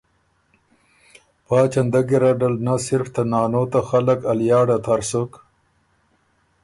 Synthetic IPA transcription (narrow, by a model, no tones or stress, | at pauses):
pɑːt͡ʃand̪aɡiɾaɖalnasɪɾft̪anɑːnot̪axalakaljɑːɽat̪ʰaɾsok